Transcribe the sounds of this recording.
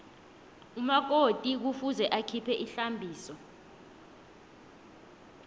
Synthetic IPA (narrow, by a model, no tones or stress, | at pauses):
umak̬otʼik̬ufuzɛʔakʰipʰɛʔiɬambʱiːsɔ